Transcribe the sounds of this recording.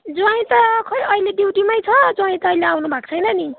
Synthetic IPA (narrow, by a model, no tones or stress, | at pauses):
d͡zuaĩt̪ʌkʰʌjʌileɖiwʈimʌjt͡sʰʌd͡zwãĩt̪ʌːileawnubʱakt͡sʰʌjnʌni